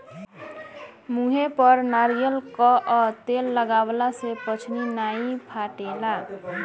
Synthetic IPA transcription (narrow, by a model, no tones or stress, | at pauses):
muɦepʌɾnaɾijʌlkʌʔʌt̪elːʌɡablasepʌt͡ʃʰninaĩpʰaʈela